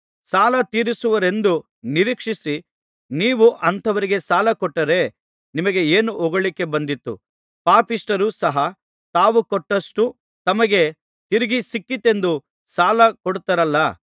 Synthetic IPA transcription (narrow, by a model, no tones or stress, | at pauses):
saːlɐt̪iːɾisuʋɐɾe̞nd̪u | niɾiːkʂisi | niːʋuʔɐnt̪ʰɐʋɐɾiɡe̞saːlɐkɔʈːɐɾe̞ | nimɐɡe̞eːnuʔɔɡɐɭikːe̞bɐnd̪it̪ːṵ | paːpisʈɐɾusɐɦɐ | t̪aːʋukɔʈːɐʂʈu | t̪ɐmɐɡe̞ | t̪iɾiɡisikːit̪e̞nd̪u | saːlɐkɔɽut̪ɐɾɐlːɐ